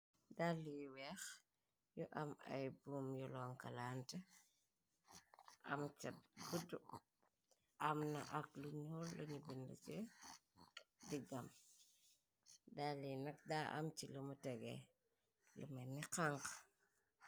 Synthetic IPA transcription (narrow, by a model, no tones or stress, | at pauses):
daːlijwɛx | jɔʔɐmɐ̰jbuːmjɔlɔːŋkɐlaːntɐ | ʔɐ̰mt͡ʃɐbudu | ʔɐmnɐʔɐkluɲɔlːɐɲubində̰t͡ʃɛ | diɡɐm | daːlinɐk̚daːʔɐ̰mt͡ʃiləmutɛɡɛ̰ | ləmɐniqaŋk